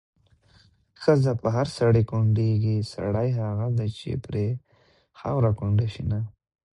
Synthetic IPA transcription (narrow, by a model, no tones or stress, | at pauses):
xəzapəɦaɾsaɽakʊɳɖeɡisa̰ɽajɦaɣad̪at͡ʃḛpɾe | xa̰wɾakʊɳɖaʃina